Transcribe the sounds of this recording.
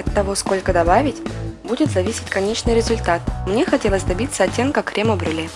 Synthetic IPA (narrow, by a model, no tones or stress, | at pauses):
ɐt̪ːɐvo̞sko̞lʲkəd̪ɐbavʲɪtʲbudʲɪt̪zɐvʲisʲɪ̥tʲkɐnʲet͡ɕnɨjɾʲɪzʊlʲt̪at̪̚mnʲexɐtʲe̞lˠəsʲd̪ɐbʲit̪sːəɐtʲːemkakːɾʲeməbɾʲɨlʲi